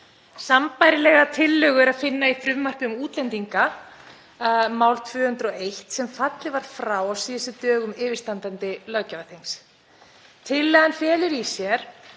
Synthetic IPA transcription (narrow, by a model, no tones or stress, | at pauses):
sampajɾɪlɛɣat̪ʰɪlːʏɣʏɾaðfɪnːaifɾʏvmar̥kʏʏmuːt̪lɛnt̪iŋka | maːwlt̪ʰvʏːhʏnt̪ɾɔejht̪sɛmfat̪lɪvaɾ̥fɾaːwawsiːðɪsɪt̪œːɣʏmɪːvɪɾ̥st̪ant̪ant̪ɪlœɣcavaθejŋs | t̪ʰɪlːɛɣanfjɛːlʏɾisjɛɾ̥